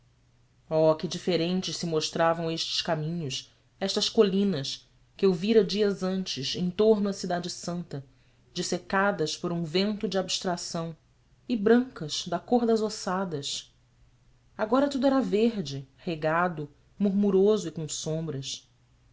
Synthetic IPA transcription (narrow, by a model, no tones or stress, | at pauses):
ɔkɪd͡ʒifeɾẽnt͡ʃɪʃsɪmoʃt̪ɾavɐ̃w̃eʃt͡ʃɪ̥ʃkamĩɲʊs | ɛʃt̪ɐskolĩnɐʃ | kɪewviɾɐd͡ʒiɐzɐ̃nt͡ʃɪʃẽt̪oɦnʊɐsid̪ad͡ʒɪsɐ̃nt̪ɐ | d͡ʒɪsekad̪ɐspoɾũvẽnt̪ʊd͡ʒɪabiʃt̪ɾasɐ̃w̃ | ɪbɾɐ̃ŋkɐʃd̪ɐkoɦd̪ɐzosad̪ɐs | aɡɔɾɐt̪ud̪ʊɛɾɐveɦd͡ʒɪheɡad̪ʊ | muɾmuɾozʊikõsõmbɾɐs